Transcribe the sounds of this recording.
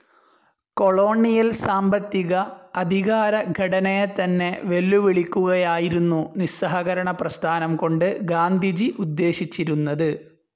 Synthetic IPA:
ko̞ɭo̞ːɳijɐlsaːmbɐt̪ːiɣɐːd̪ʱiɣaːɾɐɡʱɐʈɐnɐjet̪ɐnːe̞ʋe̞lːuʋiɭikʲːuɣɐjaːjiɾunːunisɐɦɐɣɐɾɐɳɐprɐst̪ʰaːnɐmko̞ɳɖɨɡaːnd̪ʱid͡ʑiʔud̪ːe̞ːɕit͡ɕːiɾunːɐðɨ

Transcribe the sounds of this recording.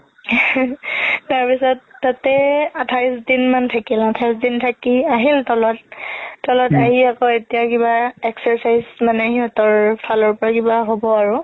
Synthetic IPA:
taɹpisɔtːatɛatʰaɹsdinmantʰakilatʰaɹjsdintʰakiaɦiltɔlɔtːɔlɔtaɦiakɔetijakibaɛksɛɹsajzmanɛɦiɔtɔɹpʰalɔɹpɔɹakibaɦobɔaɹʊ

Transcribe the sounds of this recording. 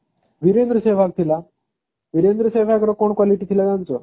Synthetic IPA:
ʋiɾend̪ɾəseʋ̤ak̚t̪ʰila | ʋiɾend̪ɾəseʋ̤akɾɔkoɳkwaliʈiːt̪ʰilad͡zant͡sɔ

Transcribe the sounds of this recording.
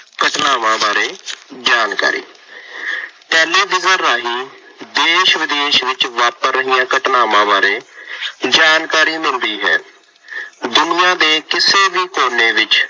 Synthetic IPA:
kəʈnaːʋãːbaːɾeːd͡ʒaːnka̰ːɾḭː | pɛːleːd̪ɪzəɾːaːɦiː | d̪eːʃʋɪd̪eːʃʋɪt͡ʃʋat̪̚pəɾːəɦiːãːkəʈnaːʋãːbaːɾeː | d͡ʒaːnkaːɾiːmɪld̪iːɦɛ̰ː | d̪ʊnɪjãːd̪eːkɪseːʋiːkoːneːʋɪt͡ʃ

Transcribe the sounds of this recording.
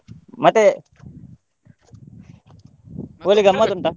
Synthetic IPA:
mɐt̪ːe | oːliɡɐmːɐt̪uɳʈ̪a

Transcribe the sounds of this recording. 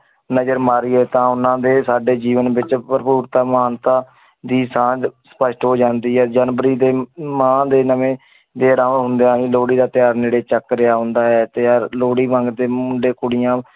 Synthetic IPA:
nəd͡ʒəɾmaːɾiːɦɛːt̪ãːʊnãːd̪eːsaːɖeːd͡ʒiːʋənbɪt͡ʃpəɾəpuːɾt̪aːmaːnt̪ãː | d̪iːsãːd͡ʒsə̥pəʃʈɦoːd͡ʒãːnd̪iːɛːd͡ʒaːnbəɾiːd̪eːmãːd̪eːnəʋẽː | d̪eːɾãmɦʊ̃nd̪eãːɦĩːloːɽiːd̪aːt̪ɪjaːɾneːɽeːt͡ʃəkːɾɪjaːɦʊ̃nd̪aːɦɛːt̪eaːɾloːɽiːbə̃ŋɡd̪eːmʊ̃ɳɖeːkʊɽɪjãː

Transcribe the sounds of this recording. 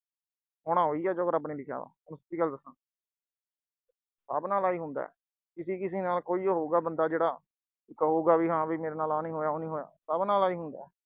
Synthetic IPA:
ɦʊɽ̃ãːɦoːiːɛːd͡ʒoːkəɾəp̬niːlɪkʰja̰ːʋa̰ːʊnsət̪iːɡəld̪əsãː | sə̰bnaːlaːiːɦʊnd̪a̰ːɛ̰ | kɪsiːkɪs̬iːnaːlkoːiːoːɦoːɡaːbənd̪aːd͡ʒeːɽaː | kɦoːɡaːʋiːɦãːbiːmeːɾeːnaːlaːnĩːɦoːjaːoːnĩːɦoːja̰ːsəbnaːlaːiːɦʊ̃nd̪a̰ːɛ

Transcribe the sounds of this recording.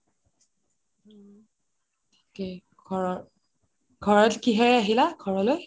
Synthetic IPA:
tʰi̥kɛ | ɡʱɔɹɔ | ɡ̥ʱɔɹɔtkiɦɛɹaɦilaɡʱɔɹɔloj

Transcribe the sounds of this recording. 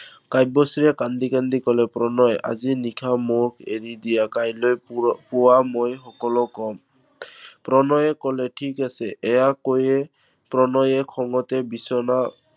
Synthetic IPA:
kajbɔsiɹɛkandikandikɔlɛpɹɔnɔja̰zinikʰamɔɹkʰḛdidijakajlojpʊwamojxɔkɔlɔkɔm | pɹɔnɔjɛkɔlɛtʰikasɛʔɛjakojɛ | pɹɔnɔjɛkʰɔŋɔtɛbisɔna

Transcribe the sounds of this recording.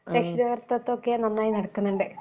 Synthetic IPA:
ɾekʂiðɐʋɐrt̪ːɐt̪ːokːejanɐmːnaːjinɐɽɐkːunːuɳɖɨ

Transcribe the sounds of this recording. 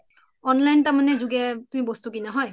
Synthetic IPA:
ɔnlajntamanɛzuɡɛtumibɔst̪ukinaɦɔj

